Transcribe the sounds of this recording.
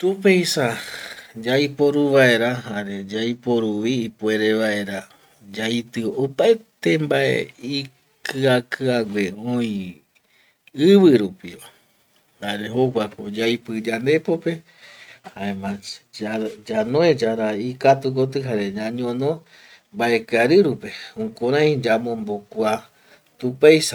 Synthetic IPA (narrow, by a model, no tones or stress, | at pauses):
t̪upejsa | d͡ʒajpo̞ɾuβae̞ɾaɦaɾe̞d͡ʒajpoɾuʋiːpue̞ɾe̞ʋae̞ɾa | d͡ʒajt̪ɨopaet̪embaḛi | kɨakɨaɡʷeoĩ | ɨβɨɾupiʋa | haɾeɦoɡʷakod͡ʒajpɨd͡ʒand̪e̞pope̞ | haemã | d͡ʒanõed͡ʒaɾaikat̪ukot̪̬ɨɦaɾe̞ɲãɲõnõ | mbae̞kɨaɾɨɾupe̞ũkʷãɾãj̃d͡ʒamõ̞mbokʷa | t̪upajs